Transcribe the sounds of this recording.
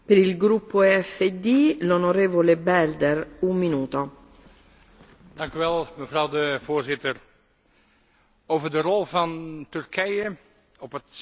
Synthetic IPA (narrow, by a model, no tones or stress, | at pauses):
peɾilɡɾupːoɛfːed̪ilonoɾeːvolebɛld̪ɛrumːinuːt̪o | d̥ɑŋkyʋɛlˠməvrɑwdəvoːɹzɪtər | owvərdərɔlˠvɑntʏrkʰɛjə | ɔpət